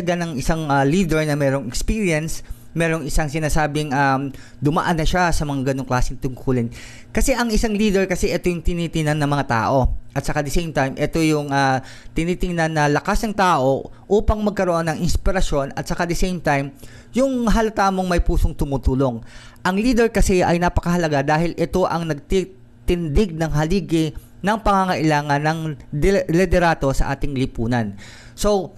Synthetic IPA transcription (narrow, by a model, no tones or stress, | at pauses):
ɐɡanɐŋɪsaŋaliːd̪ɛɹnɐmɛːɾo̞ŋɛkspiːɹijɛns | mɛːɾoŋɪsaŋsɪnaːsaːbɪŋa | d̪ʊmɐ̰ʔanːɐʃasɐmɐŋaɡɐnoŋklaːsɪŋt̪ʊŋkʰulɪn | kɐsɛʔɐŋɪsaŋliːd̪ɛɹkɐsɛʔɛt̪o̞jʊŋt̪ɪniːt̪ɪŋnanːɐmɐŋat̪a̰ːʔo̞ʔɐt̪sɐkad̪ɐsejmt̪ajmʔɛt̪o̞jʊŋa | t̪ɪniːt̪ɪŋnanːɐlɐkasnɐŋt̪aːʔo̞ | ʔuːpɐŋmɐɡ̚kɐɾoʔonːɐŋɪnspɪɾɐʃjo̞nɐt̪̚sɐkad̪ɛsejmt̪ajm | jʊŋɦɐlɐt̪aːmo̞ŋmɐjpuːsoŋt̪ʊmut̪uːlo̞ŋʔɐŋliːd̪ɛɹkɐsɛʔɐjnapɐ̥kɐɦɐlɐɡad̪aːhɪlʔɛt̪o̞ʔɐŋnɐɡ̚t̪i | t̪ɪnd̪ɪɡ̚nɐŋɦɐliːɡɪ | nɐŋpɐŋaŋɐʔɪlaːŋɐnːɐŋd̪lɛd̪ɛɾaːt̪o̞sɐ̰ʔaːt̪ɪŋlɪpuːnɐn | so̞w